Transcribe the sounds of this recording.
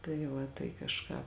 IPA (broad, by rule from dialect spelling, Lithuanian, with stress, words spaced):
tɐɪ ˈʋɐ tɐɪ kɐʃˈkɑː